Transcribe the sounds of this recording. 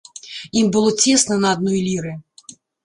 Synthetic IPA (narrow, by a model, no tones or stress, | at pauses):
imbɨlˠɔt͡sʲɛsnɐnɐːd̪̚nɔjlʲiɾɨ